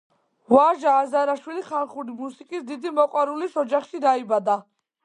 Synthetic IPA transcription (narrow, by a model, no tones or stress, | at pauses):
vaʒaːzaɾaʃwiliχalˠχuɾimusikʼisd̪id̪imɔqʼwaɾulisɔd͡ʒaχʃid̪aibad̪a